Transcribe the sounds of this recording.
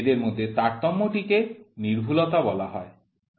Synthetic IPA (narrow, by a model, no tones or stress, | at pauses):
ed̪eɾmod̪ʱːjet̪aɾt̪ɔmːɔʈikeniɾbʱulɔt̪abɔlaɦɔe